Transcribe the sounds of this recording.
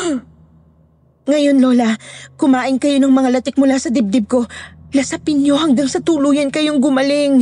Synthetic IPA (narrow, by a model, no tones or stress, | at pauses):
ŋɐjo̞nlo̞lɐkʊmaːʔɪnkɐjo̞nɐŋmɐŋalɐt̪ɪk̚mʊlasɐd̪ɪb̚d̪ɪb̚ko̞lɐsɐpɪnɲjo̞hɐŋɡaŋsɐt̪uːluːjɐnkɐjoŋɡʊmɐlɪŋ